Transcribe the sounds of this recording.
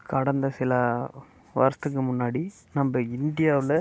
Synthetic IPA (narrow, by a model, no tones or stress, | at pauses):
kɐɽɐnd̪ɐsɪlaː | ʋɐ̰ɾsɐt̪ːɯkːɯmʊnːaːɽi | nɐmbɐɪnd̪ɪjaːʋɪlɐ